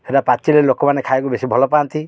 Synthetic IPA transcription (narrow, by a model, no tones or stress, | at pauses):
eɾapat͡ʃilelokɔmanekʰajkubesibʱɔlɔpaːnt̪i